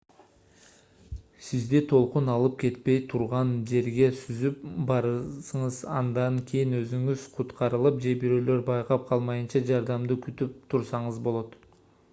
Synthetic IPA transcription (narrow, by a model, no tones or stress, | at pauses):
sizd̪it̪ʰo̞lˠqunɑlˠɯp̚ke̞t̪̚pe̞jt̪ʰuɾʁɑnd͡ʒe̞ɾɡe̞syzypbɑɾsɯɴɯzɑ̰nd̪ɑŋkʲʰijinøzyŋyzqʰut̪qɑɾɯlˠɯp̚d͡ʒe̞biɾø̞ːlø̞ɾbɑjqɑp̚qʰɑlˠmɑjɯnt͡ʃɑd͡ʒɑɾd̪ɑmd̪ɯkyt̪yp̚t̪ʰuɾsɑɴɯzbo̞lˠo̞t̪